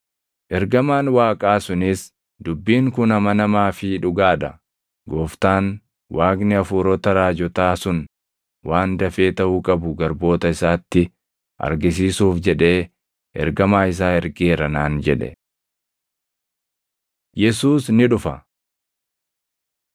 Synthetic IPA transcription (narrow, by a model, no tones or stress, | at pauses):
ʔɛɾɡɐmaːnwaːkʼaːsʊnɪs | d̪ʊbːiːŋkʊnɐmɐnɐmaːfɪᶑʊɡaːᶑɐ | ɡoːft̪aːn | wʔaːɡnɪɐfuːɾɔt̪ɐɾaːd͡ʒɔt̪aːsʊn | wʔaːnd̪ɐfe̞ːt̪ɐhukʼɐbʊɡɐɾbo̞ːt̪ɐɪsaːt̪ːɪ | ʔɐ̰ɾɡɪs̬iːsuːfd͡ʒɛᶑe̞ː | ʔɛ̰ɾɡɐmaːɪs̬aːɛɾɡeːɾɐnaːnd͡ʒɛᶑɛ̰ | jɛsuːsnɪᶑʊfɐ